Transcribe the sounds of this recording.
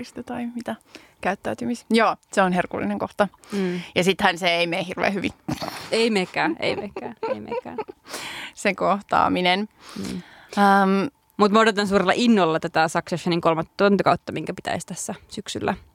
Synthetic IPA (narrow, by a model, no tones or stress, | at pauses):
ist̪et̪ɑimit̪æ | kæyt̪ːæyt̪ymisjoːseonherkṵlːḭneŋkoht̪ɑjɑsit̪hænseeimeːhirʋḛːhyʋḭeimekːæːʔḛimekːæːeimḛːkːæ̰ː | sekoht̪ɑ̰ːminen̩ː | əm | mut̪modet̪ɑns̬uːɾrelːɑ̰ʔinːolːɑt̪æt̪æsɑksɑsːɑniŋkolmɑt̪ːt̪ːont̪ɑkɑut̪ːɑmiŋkæpi̥t̪æ̰ist̪æsːæsyksylːæ̰